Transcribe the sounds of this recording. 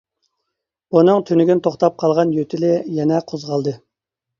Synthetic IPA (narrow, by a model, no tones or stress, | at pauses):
bunɨŋt̪ʰynɪɡʲint̪ʰoχt̪ɑp̚qʰɑlˠʁɑnjøt̪ʰɪlɪjɛnɛqʰozʁɑlˠd̪ɨ